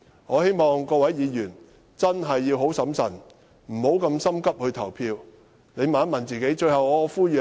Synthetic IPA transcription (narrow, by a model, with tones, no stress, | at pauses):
ŋɔː˨˧he˥jmɔː˨˩ŋkɔː˧wɐ˨˥jːiː˨˧jyː˨˩n | t͡sɐ˥nɦɐ˨jːiː˧wɦo˨˥wsɐ˨˥msɐ̰˨˩n | m̩˨˩ho˨˥wkɐ˧msɐ˥mkɐ˥p̚hɵ˧ɥt̪ʰɐ˨˩wpʰiː˧w | ne˨˧jmaː˨˥nmɐ˨˩nt͡siː˨ke˨˥jt͡ʃɵ˧ɥhɐ˨wɔː˨˧˨fuː˥jyː˨